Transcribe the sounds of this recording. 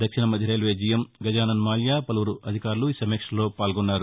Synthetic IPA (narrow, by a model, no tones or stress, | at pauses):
d̪ɐkʂinɐmɐd̪ʱjɐɾeːlʋeːd͡ʒiːjɐmɡɐd͡ʒaːnɐnmaːljaːpɐlɐʋuɾuʔɐd̪ʱikaːɾuluiːsɐmeːkʂɐlo̞ːpaːlɡonːaːɾu